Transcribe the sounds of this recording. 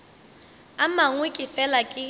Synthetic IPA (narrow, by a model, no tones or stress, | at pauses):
amaŋwekʼɪfɛlakʼɪ